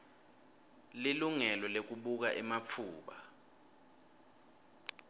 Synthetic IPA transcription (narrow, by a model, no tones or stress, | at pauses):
liluŋɛlɔlek̬uɓuk̬aʔɛmap̪fʰuːɓa